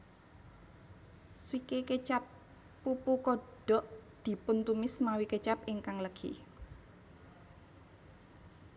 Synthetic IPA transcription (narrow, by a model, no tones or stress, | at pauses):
swikeket͡ʃapː | upukɔɖ̥ɔʔd̪̥i̤pʊnt̪umɪsmawikət͡ʃapɪŋkaŋləɡ̥ʰḭ